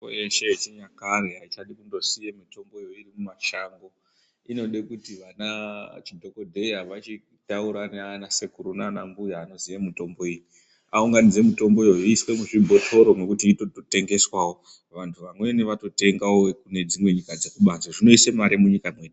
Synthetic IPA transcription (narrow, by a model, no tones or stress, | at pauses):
jeʃe̞t͡ʃiɲakareɦait͡ʃaɗikundo̞sijemito̞mbo̞jo̞irimumaʃaŋɡo̞ | ino̞ɗekutiʋanat͡ʃidʱo̞ko̞dʱe̞jaʋat͡ʃi | tauɾanːnase̞kuɾunanambujaːno̞zijamito̞mbo̞iji | a̰uŋɡanid͡ze̞mito̞mbo̞joiswe̞muʐibʱo̞tʰo̞ɾo̞me̞kutiːtotote̞ŋɡe̞swawo̞ | ʋantʰuʋamwe̞neʋato̞te̞ŋɡaokune̞d͡zimwe̞ɲikad͡zekuɓanzaʐino̞isemaɾemuɲikamweːɗ